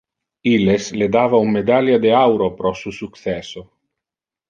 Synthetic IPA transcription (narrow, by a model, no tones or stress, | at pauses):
ilesled̪aːvaumːed̪aljad̪eawɾopɾɔsusuk̪sɛso